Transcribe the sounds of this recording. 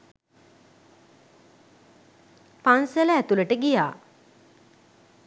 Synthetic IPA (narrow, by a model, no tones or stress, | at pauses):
panseləæt̪uləʈəɡijaː